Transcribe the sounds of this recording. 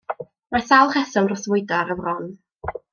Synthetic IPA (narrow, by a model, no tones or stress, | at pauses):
maθalˠχɛsɔnrɔθvʊjdaɾəvrɔn